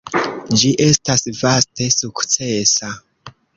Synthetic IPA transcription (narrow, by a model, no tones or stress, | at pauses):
d͡ʒiʔe̞stasvaste̞sukt͡se̞sa